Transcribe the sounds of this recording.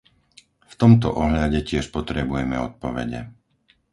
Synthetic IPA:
ft̪ɔmt̪ɔ̰ʔɔɦʎaɟɛcɪɛʃpɔt̪ɾɛbujɛmɛɔt̪̚pɔʋɛ̰ɟɛ̰

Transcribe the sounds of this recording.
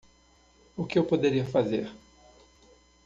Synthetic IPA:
ʊkɪewpod̪eɾiɐfazḛɾ

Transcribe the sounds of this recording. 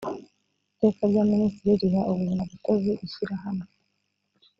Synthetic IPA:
te̞ːkaɾɟaministiɾiɾiβaʔoβuinaβikoziusiɾaɦano

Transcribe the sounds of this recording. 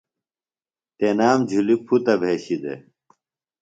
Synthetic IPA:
t̪enaːmd͡ʑʱulipʰut̪ɐbʱeːɕid̪ḛ

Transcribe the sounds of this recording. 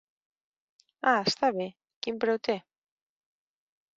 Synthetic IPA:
ast̪aβe | kimpɾewt̪e

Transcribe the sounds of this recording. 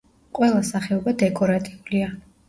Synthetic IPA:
qʼwɛlˠasaχɛɔbad̪ɛkʼɔɾat̪ʼiulia

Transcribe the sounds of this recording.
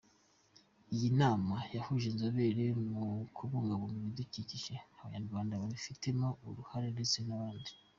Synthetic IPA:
ijinaːmajahuʒenzaβe̞ɾemukʰuβoːŋɡaβomuβiduciciʒeaβajanuɡβaːndaβaβifite̞mouɾuhaɾe̞ndet͡se̞naβaːndi

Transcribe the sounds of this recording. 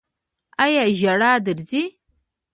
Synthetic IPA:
ajaʒaɽaːdɨɾzi

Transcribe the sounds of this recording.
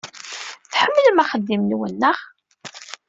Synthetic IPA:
θħəmːələmæχəd̪ːimnwənːəʁ

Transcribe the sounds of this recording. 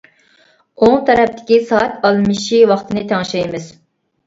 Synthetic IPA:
oŋt̪ʰɛɾɛp̚t̪ʰɪ̥kʲisɑːt̪ɑlˠmɨʃiwɑχt̪ʰɨnɨt̪ʰɛŋʃɛjmɪz̥

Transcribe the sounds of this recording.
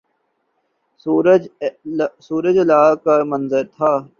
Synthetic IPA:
suːɾ | suːɾəd͡ʒlaːkamɐnzəɾt̪ʰaː

